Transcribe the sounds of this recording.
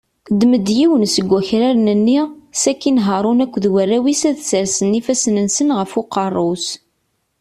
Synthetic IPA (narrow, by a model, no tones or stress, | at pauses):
d̪məd̪jiwənsəɡʷːæçɾæɾnənːisækːinɦəɾˤʊnækʷːðwərːæwisæðsəɾsənifæsnənsənʁəfuqɑrˤːʊs